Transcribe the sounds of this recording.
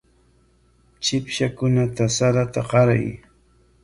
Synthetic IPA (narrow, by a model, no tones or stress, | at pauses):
t͡ʃɪpʃakʊnat̪asaɾat̪aɢɑɾa̰j